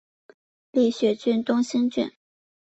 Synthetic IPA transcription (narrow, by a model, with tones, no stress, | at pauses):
li˥˩ɕɥɛ˨˥t͡ɕy˥˧nt̪ʊ˥ŋɕi˥nt͡ɕy̰˥˩n